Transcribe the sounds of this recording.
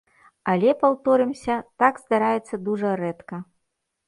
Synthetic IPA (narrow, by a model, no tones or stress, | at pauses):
alʲɛpawt̪ɔɾɨmsʲɐt̪aɡzd̪aɾajɛt̪sːɐd̪uʐɐɾɛt̪kɐ